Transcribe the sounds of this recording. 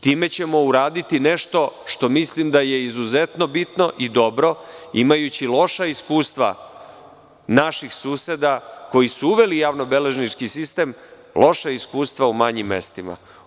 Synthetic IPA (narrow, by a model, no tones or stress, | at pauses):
t̪iːme̞t͡ɕe̞mo̞uɾaːd̪it̪ine̞ʃt̪o̞ʃt̪o̞mislimd̪aje̞izuzet̪no̞bit̪no̞ʔid̪o̞bɾo̞imajut͡ɕilo̞ʃaiskuːst̪ʋa̰ | naʃixsuːse̞d̪ako̞jisuuʋe̞lijaːʋno̞be̞le̞ʒnit͡ʃkisist̪e̞ːm | lʔo̞ʃaiskuːst̪ʋaumaɲimːe̞̰st̪ima̰